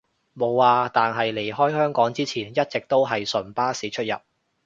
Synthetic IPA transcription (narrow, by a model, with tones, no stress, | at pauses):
mo˨˧wːaː˨t̪aː˨nɦɐ˨jle˨˩jɦɔː˥jhœː˥ŋkɔː˨˥ŋt͡siː˥t͡sʰiː˨˩njɐ˥t̚t͡sɪ˨k̚t̪o˥wɦɐ˨jsɵ˨˩npaː˥siː˨˥t͡ʃʰɵ˥t̚jɐ̰˨p̚